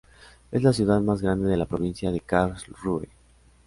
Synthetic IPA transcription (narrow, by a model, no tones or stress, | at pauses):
e̞zlasjuðaðmazɣɾand̪e̞ðe̞lapɾo̞β̞insjaðe̞kaɾsruḛ